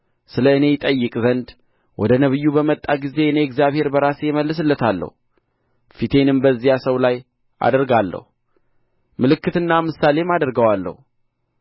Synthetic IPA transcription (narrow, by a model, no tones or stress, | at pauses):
sɨləɨne̞ɪt̪ʼəjːɨkʼzənd̪ | wʔɔ̰d̪ənəβɨjːubəmət̪ʼːaɡize̞ɨne̞ɛɡzjaβhe̞ɾbəɾasjɛməlːɨs̬ɨlːət̪ʰalːə̰hu | fit̪ʰe̞nɨmbəzːijasəwlaj | ʔa̰d̪əɾɡalːə̰hu | mɨlɨkːɨt̪ɨnːamɨsale̞mad̪əɾɡəwalːə̰hu